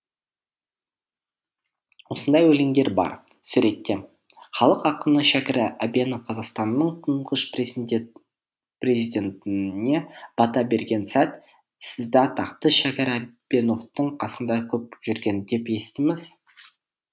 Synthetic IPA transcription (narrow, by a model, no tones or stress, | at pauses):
wo̞sənd̪ɑjwɵlɪŋd̪e̞ɾbɑ̰ɾsʉɾe̞t̪ːe̞ | χɑlˠəqɑqənəʃækʲɪɾɪʔæbenofqʰɑzɑqst̪ɑnːəɴt̪ʰəɴʁəʃ | pre̞zid̪ʲe̞nt̪ɪne̞b̥ɑt̪ɑbe̞ɾɡʲe̞nsæt̪ | sɪzd̪ɪɑt̪ʰɑqt̪əʃækʲæɾæbeno̞ft̪əɴqʰɑsənd̪ɑkʲʰɵp̚ʒ̥ʏɾɡʲe̞nd̪e̞pe̞st̪ɪmɪz